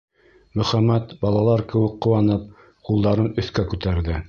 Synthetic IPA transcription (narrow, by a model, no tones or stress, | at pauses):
mɵ̆χæmæt̪bɑlˠɑlˠɑɾkɘ̆wɘkqːŏwɑnɤp̚ | qulˠd̪ɑɾɤnɵ̆θkækʉt̪æɾðɘ